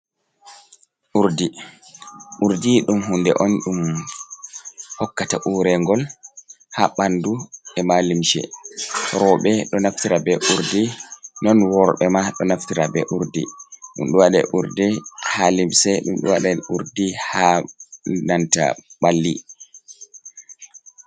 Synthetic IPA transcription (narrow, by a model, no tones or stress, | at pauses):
ʔuɾdi | ʔuɾdiɗumhundɛ̰ʔɔnɗum | hɔkːata̰ʔuɾɛŋɡɔl | haɓanduɛmalimʃɛ̰ | ɾɔɓɛɗɔnaftiɾabɛʔuɾdinɔnwɔɾɓɛmaɗɔnaftiɾabɛʔuɾdḭɗṵmɗuwaɗɛ̰ʔuɾdihalimsɛɗumɗṵwaɗɛuɾdiha | nanta̰ɓalːḭ